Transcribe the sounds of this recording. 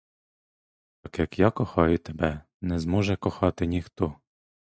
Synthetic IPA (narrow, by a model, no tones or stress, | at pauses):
tɑkjɐkjɑkɔxɑjʊt̪ebɛ | nɛzmɔʒɛkɔxɑt̪ɪnʲixt̪ɔ